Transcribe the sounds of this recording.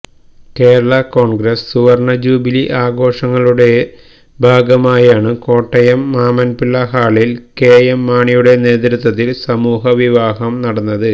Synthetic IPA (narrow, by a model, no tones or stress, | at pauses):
ke̞ːɾɐɭɐko̞ːɳɡɾɐsːuʋɐrɳɐd͡ʑuːbiliʔaːɡo̞ːʂɐŋːɐɭuɽe̞ | bʱaːɡɐmaːjaːɳɨko̞ːʈːɐjɐmːaːmɐnpilːɐɦaːɭilkeːjemːaːɳijuɽe̞ne̞ːt̪ɾut̪ːwɐt̪ːilsɐmuːɦɐʋiʋaːɦɐmnɐɽɐnːɐðɨ